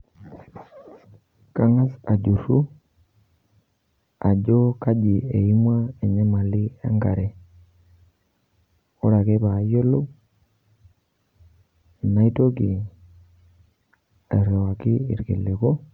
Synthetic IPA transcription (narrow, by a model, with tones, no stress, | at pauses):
ka˦ŋa˦sa˨d͡ʒu˨ru˦ | a˨ɟɔ˦ka˦d͡ʒi˨e˨i˦mwa˦ɛ˨ɲɛ˦ma˨li˦a̰˦ŋɡa̰˨ɾɛ˨ | o˦ɾa˨kɛ˦pa˨˦jo˦lo˦˨ | na˦i˦to˦ki˨ | a̰˨ɾɔ˨wa˨ki˦ḭ˨ɾkḛ˨lːe˨kɔ˦